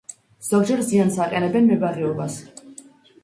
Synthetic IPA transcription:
z̥ɔɡ̚d͡ʒɛɾziansaqʼɛnɛbɛnmɛbaɾɛɔbas

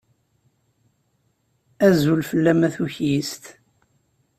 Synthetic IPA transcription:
æzulfəlːæmæθuçjist̪

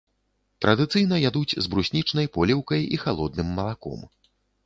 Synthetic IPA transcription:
t̪ɾɐd̪ɨt̪sɨjnɐjad̪ut͡sʲzbɾusʲnʲit͡ʂnɐjpɔlʲɛwkɐjixalˠɔd̪̚nɨmːɐlˠakɔ̰m

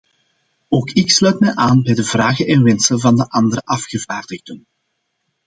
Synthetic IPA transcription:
oːkɪkslœɥtmɛjʔaːnbɛjdəvraːɣənɛnʋɛnsənvɑndəʔɑndəɾəʔɑfxəvaːrdəɣdən

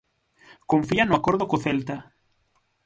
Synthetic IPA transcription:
koɱfianʊakoɾðʊkoθelt̪a

